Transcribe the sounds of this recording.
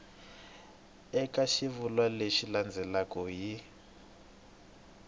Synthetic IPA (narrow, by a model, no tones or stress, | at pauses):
ɛkʼaʃivulwaleʃiland͡zʱɛlakɔji